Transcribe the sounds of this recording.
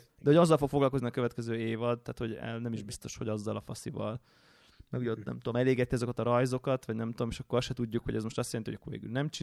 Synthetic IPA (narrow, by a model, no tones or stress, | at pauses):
d̪ɛhoɒzːɒlfo̞kfoɡlɒlko̞zniɒkøvɛt̪kɛzøːeːvɒd̪t̪aːt̪ho̞ɟɛ̰lnɛmiʒbist̪o̞ʃho̞̰ɟɒzːɒlɒfɒsivɒ̰l | mɛɡuɟɛot̪nɛ̰mt̪ud̪omɛleːɡɛt̪ːiɒzokɒt̪ɒɾɒjzo̞kɒt̪ʋɒɟnɛmt̪ud̪omeːʃɒkːoɾsʃɛt̪uɟːukhoɟɛzmo̞ʃt̪ɒst̪jɛlɛnt̪iojɒkːorvḛːɡy̰lnɛmt͡ʃi